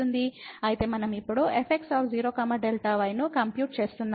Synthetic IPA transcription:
und̪iɐjit̪e̞ːmɐnɐmipːuɽuʔepʰek̚ʈsaːfʰd͡ʒiːɾoːkɐmɐɖelʈaʋɐjnukɐmpjuːʈ̚t͡ʃe̞ːst̪unːa

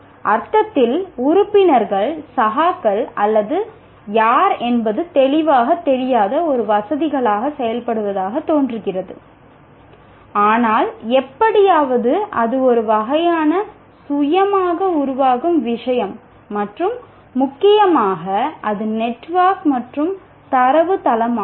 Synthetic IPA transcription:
ʔɐɾt̪ɐt̪ːɪlʊɾʊpːɪnɐɾɣɐɭsɐɣaːkːɐɭɐlːɐðɯ | jaːɾɛnbɐðɯt̪ɛɭɪʋaːɣɐt̪ːɛɾɪjaːðɐɔɾɯʋɐsɐðɪɣɐɭaːɣɐsɛjɐlpɐɽɯʋɐðaːɣɐt̪ːoːndrɯkːɪrɐðɯ̰ | aːnaːlɛpːɐɽɪjaːʋɐðɯʔɐðɯɔɾɯʋɐɣɐjaːnɐ | sʊjɐmaːɣɐʊɾʊʋaːɣɯmʋɪʂɐjɐmː | ɐʈrɯmː | ʊkːɪjɐmaːɣɐʔɐðɯnɛʈːʋaːkmɐʈrɯm | t̪ɐɾɐʋɯt̪ɐlɐmaː

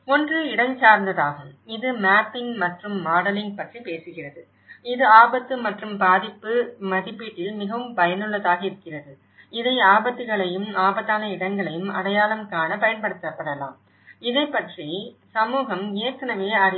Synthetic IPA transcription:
ɔndrɯɪɽɐŋsaːɾnd̪ɐðaːɣɯmɪðɯmaːpːɪŋmɐʈrɯmːaːɽɐlɪŋɡ̚pɐʈripeːsɯɣɪrɐðɯ | ɪðɯaːbɐt̪ːɯmɐʈrɯmbaːðɪpːɯmɐðɪpːiːʈːɪlmɪɣɐʋɯmpɐjɐnɯɭːɐðaːɣɐɪɾɯkːɪrɐðɯ | ɪðɐɪaːbɐt̪ːɯɣɐɭɐjɯmaːbɐt̪ːaːnɐɪɽɐŋɡɐɭɐjɯmɐɽɐjaːlɐmkaːnɐpɐjɐnpɐɽɯt̪ːɐpːɐɽɐla̰ːm | ɪðɐɪpːɐʈri | sɐmuːɣɐmeːɐɾkːɐnɐʋeːɐɾ

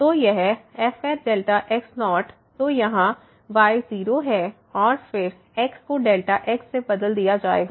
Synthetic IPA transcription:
t̪oːjeɦɛɛːfɛtɖeːlʈaʔɛksnɔːʈ | t̪ojɐɦã | ʋaːɪziːɾoɦɛː | ɔːɾfɪɾ | ɛːkskoɖeːlʈaʔeːksːebɐd̪əld̪ijad͡ʒaːḛːɡaː

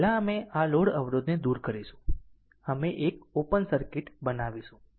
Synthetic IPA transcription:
laəmealoɽəʋɾod̪ned̪uɾkəɾiʃũ | əmeʔek̚opənsəɾkɪʈbənaʋiʃũ

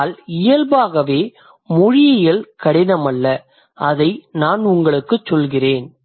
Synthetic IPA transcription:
lɪjɐlbaːɣɐʋeː | mʊɻɪjɐjɪlkɐɽɪnɐmɐlːɐ | ɐðɐɪnaːnʊŋɡɐɭɯkːɯt͡ʃːɔlɣɪreːn

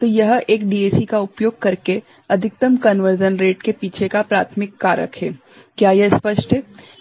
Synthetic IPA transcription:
t̪ojɐɦeːkɖiːeːsikaʊpjoːɡ̚kɐɾke | ɐd̪ʱɪk̚t̪əmkɐnʋəɾd͡ʒənɾeːʈkepiːt͡ʃʰekapɾa̰ːt̪ʰmɪkːaːɾjə̰kʰɦeː | kjaːjɐɦspəʃʈɦɛː

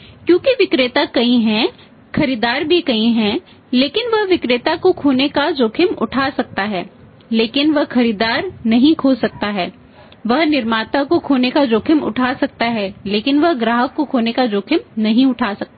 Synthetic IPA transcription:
kjõːkiʋɪkɾet̪akɐĩɦɛ̃ | xɐɾiːd̪aːɾbʱikɐĩɦɛ̃ | leːkɪnʋɐɦʋɪkɾeːt̪akokʰoːnekad͡ʒoːkʰɪmʊ̰ʈʰaːsɐk̚t̪aɦɛː | leːkɪnʋɐɦxɐɾiːd̪aːɾnɐɦĩkʰoːsɐk̚t̪aɦɛː | ʋɐɦnɪɾmaːt̪akokʰoːnekad͡ʒoːkʰɪmʊ̰ʈʰaːsɐk̚t̪aɦɛːleːkɪnʋɐɦɡɾaːɦəkːokʰoːnekad͡ʒoːkʰɪmnɐɦĩʊʈʰaːsɐk̚t̪ː

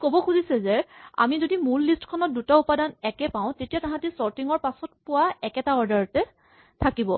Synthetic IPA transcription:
kobɔkʰuzisɛzɛa̰mizodimulːistkʰɔnɔt̚dutaupadanɛkɛpãʊ̃tetijatãɦãtisɔɹtiŋɔɹpasɔt̚pʊwaɛkɛtaɔɹdaɹɔtɛ | tʰakibɔ

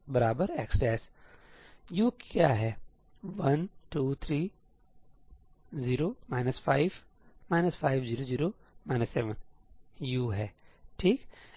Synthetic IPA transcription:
bɐɾaːbəɾɛːksʈɛːs | juːkjaːɦɛː | ʋɐnʈuːt̪ʰɾiː | ziːɾoːmaːɪnəsfʰaːɪʋ | maːɪnəsfʰaːɪʋziːɾoziːɾoːmaɪnəsːɛːʋənjuːɦɛːʈʰiːk

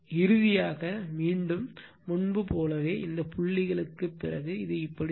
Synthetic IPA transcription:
ɪɾɯðɪjaːɣɐmiːɳɖɯmː | ʊɳbɯpoːlɐʋeːʔɪnd̪ɐpʊɭːɪɣɐɭɯkːɯpːɪrɐɣɯɪðɯɪpːɐɽ

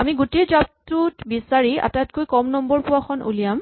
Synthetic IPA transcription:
amiɡutezap̚tutbisaɹia̰tatkojkɔmnɔmbɔɹpʊwaxʰɔnʔṵlijam

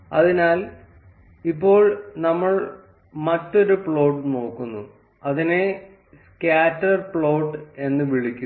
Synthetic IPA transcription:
ɐðinaːl | ipːo̞ːɭnɐmːɐɭ | mɐtːo̞ɾupɭo̞ːʈːno̞ːkːunːu | ɐðine | skaːtːɐrpɭoːʈːe̞nːɨʋiɭikʲːu

